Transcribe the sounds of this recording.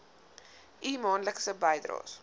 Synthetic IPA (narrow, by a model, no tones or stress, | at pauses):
ʔiːmɑːnləksəbɐjd̪ɾɑ̰ːs